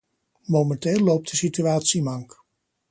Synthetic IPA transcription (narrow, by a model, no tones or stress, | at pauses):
mowmɛnteːlːowp̚tdəsityaːtsimɑŋk